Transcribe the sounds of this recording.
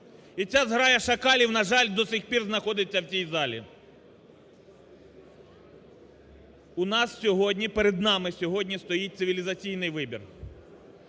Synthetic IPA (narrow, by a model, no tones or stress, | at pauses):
it͡sʲazɦɾɑjɐʃɐkɑlʲiwnɐʒɑlʲd̪ɔsɪxpʲirznɐxɔd̪ɪt͡sʲːɐwt͡sʲijzɑlʲḭ | ʊnɑssʲɔɦɔdʲnʲipeɾed̪nɑmɪsʲɔɦɔdʲnʲist̪ɔjit̚ʲt̪sɪʋʲilʲizɐt͡sʲijnɪjʋɪbʲḭr